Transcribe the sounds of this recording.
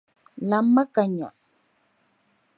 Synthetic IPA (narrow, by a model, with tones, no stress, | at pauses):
la˨mːa˦ka˨ɲa̰˨